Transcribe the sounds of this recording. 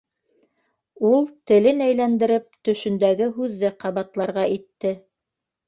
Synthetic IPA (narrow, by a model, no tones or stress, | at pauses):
ulˠt̪ɘ̆lɘnæjlænd̪ɘ̆ɾɘp̚t̪ɵ̆ʃɵ̆nd̪æɡɘɦʉðːɘqɑβɑt̪lˠɑɾʁɑʔit̪ːɘ